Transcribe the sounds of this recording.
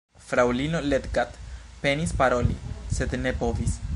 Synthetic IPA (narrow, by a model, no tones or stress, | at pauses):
fɾawlinole̞t̪ɡat̪pe̞nispaɾo̞lise̞d̪ne̞po̞vis